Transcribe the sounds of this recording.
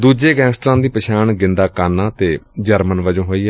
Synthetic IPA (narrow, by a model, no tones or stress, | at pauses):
d̪uːd͡ʒeːɡɛ̃ːnsʈɾãːd̪iːpəʃaːɳɡɪ̃nd̪aːkaːnãːt̪eːd͡ʒəɾmənʋəd͡ʒõːɦoːiːɦɛː